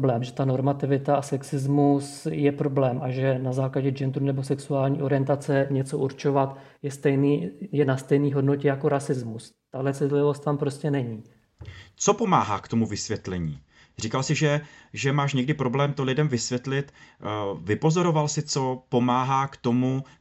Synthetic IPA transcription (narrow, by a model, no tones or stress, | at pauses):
blɛːmʒɛt̪ano̞ɾmat̪ɪvɪt̪aasɛksɪzmusjɛpɾo̞blɛːmʔaʒɛnazaːklaɟɛd͡ʒɛnd̪ɾunɛbo̞sɛksuaːlɲiːʔo̞ɾɪjɛnt̪at͡sɛɲɛt͡so̞ʔuɾt͡ʃo̞vat̪jɛst̪ɛjniːjɛnast̪ɛjniːɦo̞dno̞cɛjako̞ɾasɪzmus | t̪aɦlɛt͡sɪt̪lɪvo̞st̪t̪ampɾo̞scɛnɛɲiː | t͡so̞po̞maːɦaːkt̪o̞muvɪsvjɛt̪lɛɲḭː | r̝iːkalsɪʒɛʒɛmaːʃɲɛɡdɪpɾo̞blɛːmt̪olɪdɛmvɪsvʲjɛt̪lɪt̪ | vɪpo̞zo̞ɾo̞valsɪt͡so̞po̞maːɦaːkt̪o̞mu